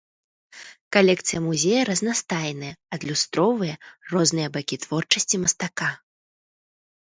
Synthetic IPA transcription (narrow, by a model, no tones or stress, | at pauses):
kalʲɛk̚t̪sɨjɐmuzʲejɐɾɐznast̪ajnɐjɐɐd̪lʲust̪ɾɔvɨjɐrɔznɨjɐbakʲit̪v̥ɔrt͡ʂɐsʲt͡sʲimɐst̪aka